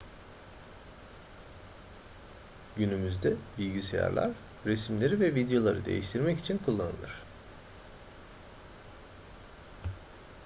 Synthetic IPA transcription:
ɟynymyzd̪ɛbilʲɟiseja̰ɾlʲˠa̰ɾ | ɾesmlʲe̞ɾivɛvid̪ejo̞lˠa̰ɾɯd̪e̞̰jiʃt̪ʰiɾmɛcit͡ʃʰinkʰulˠːanɯ̰lˠɯɾ̝̥

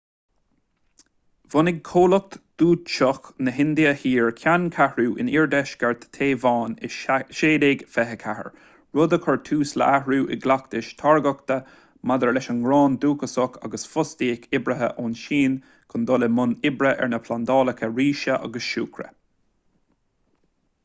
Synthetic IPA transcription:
vɔnɪɡ̚kʰoːlɔk̚t̪d̪̥uːt̪ʃɔxnəɦɪnd̪iəhiːɹkʰjankʰahɹuːʔɪ̰niːɹd̪ɛʃɡɛɹt̪ʰːeːvɑːnɪʃeːdeːɡfɛɦəkʰahə̰ɹ | ɹʊd̪əkʰɔɹt̪ʰuːslə̰ʔahɹuːʔɪ̰ɡlakt̪ɪʃt̪ʰaɹɡɔkt̪ə | mad̪əɹlɛʃənɡɾɑːnd̪uːkəsɔka̰ɡəsfʊst̪iːkʰɪbɾəɦə̰ʔoːnʃiːn | kʰʊnd̪ɔləmʊnɪbɾəʔɛ̰ɹnəpʰland̪ɑːləkʰəɹiːʃəʔa̰ɡəsʃṵːkʰɾə̰

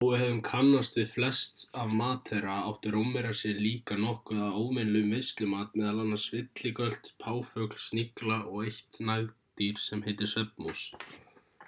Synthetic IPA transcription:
awʏhɛðʏmkʰanːast̪vɪðflɛst̪avmaːt̪ʰɛɾaawht̪ʏɾowmːɛɾḁsjɛɾliːkanɔhkʏðaðoːwmɪnlʏmɪst̪lɪmaːt̪̚mɛːðalanːasvɪt̪lɪkœl̥t̪pʰaːwfœkl̥sniklaʔɔɣejht̪naɣt̪iɾ̥sɛmheːjt̪ɪɾ̥sɛp̚nus

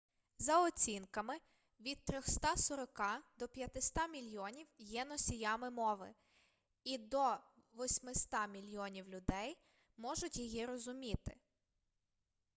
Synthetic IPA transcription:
zɐɔt͡sʲinkɐmɪ | ʋʲid̪̚t̪ɾʲɔxst̪ɑsɔɾɔkɑd̪ɔpʲjɐt̪ɪst̪ɑmʲilʲjɔnʲiwjɛnɔsʲijɑmɪmɔʋɪ̰ | id̪ɔʋɔsʲmɪst̪ɑmʲilʲjɔnʲiwlʲʊd̪ɛj | mɔʒʊtʲjijiɾɔzʊmʲit̪ɪ̥

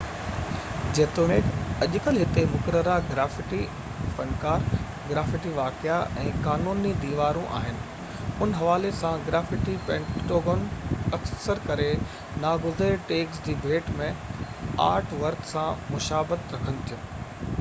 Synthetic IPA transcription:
d͡ʑeːt̪oːneːkɐʄʊkəlɦɪt̪emʊkəɾəɾaɡɾaːfɪʈi | fɐnkaːɾ | ɡɾaːfɪʈiʋaːkɪaʔɛ̰̃ːkaːnuːnid̪iːʋaːɾũʔa̰ːɦɪnɪ̆ | ʊnɦɐʋaːlesãɡɾaːfɪʈipɛ̃ːɳʈoːɡoːnɐksəɾkɐɾe | naːɡʊzɾeʈeːksd͡ʑiːbʱeːʈmẽa̰ːɾʈʰʋɐɾt̪sãmʊʃaːbət̪ɾɐkʰənɪ̆t̪ʰijũː

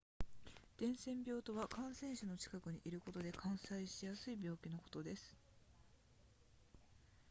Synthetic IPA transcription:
d̪̥ẽ̞ɰ̃sẽ̞mbʲo̞ːt̪o̞βakãɰ̃sẽ̞ɰ̃ɕano̞t͡ɕi̥kakɯ̟ɲ̟iʔiɾɯ̟ko̞t̪o̞d̪e̞kʰãɰ̃saiɕijasɨibʲjo̞ːkʲino̞ko̞̥t̪o̞d̪e̞sɨ̥

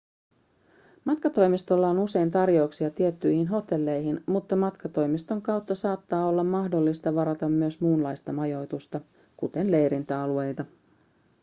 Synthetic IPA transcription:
mɑt̪kɑt̪o̞jmist̪o̞lːɑonuse̞jnt̪ɑrjo̞wksiɑt̪iet̪ːyjhinɦo̞t̪e̞lːe̞jɦinmut̪ːɑmɑt̪kɑt̪o̞jmist̪o̞ŋkɑwt̪ːɑsɑːt̪ːɑːo̞lːɑmːɑhdo̞lːist̪ɑʋɑɾɑt̪ɑmːyøsmuːnlɑjst̪ɑmɑjo̞jt̪ust̪ɑ | kut̪e̞nle̞jɾint̪æɑlue̞jt̪ɑ

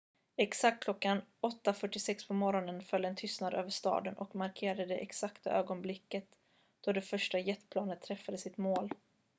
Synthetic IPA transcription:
ɛksak̚t̪̚kʰlɔkːanɔt̪ːafœʈːɪsɛkspʰɔmɔɾɔnənfœlːɛnt̪ʰʏst̪nad̪ø̰ːvəʂt̪ɑ̰ːd̪ənʔɔkmaɾkʰeːɾadd̪əd̪ɛʔɛksakt̪a̰ʔøːɡɔnblɪkːət̪ | d̪̥ɔd̪ɛfœʂʈajɛt̪ːpʰlɑːnət̪ʰːɾɛfːad̪əsɪt̪moːl

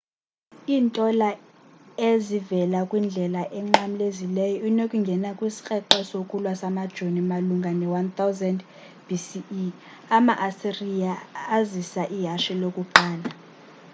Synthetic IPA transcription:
iːntʼɔla | ezivɛlakʼwind͡ɮʱɛlaʔɛŋ͡ǁamilezilɛjɔinokʼuŋɡʱɛnakʼwisi̥k͡xʼɛǃɛsokʼulwasamad̥ʒ̥ʱonimaluŋɡʱanɛwant̪ʰawzɛnd | b̥ʱisi | amaʔasirijaːzisaʔiɦaʃilokʼuǃaːla

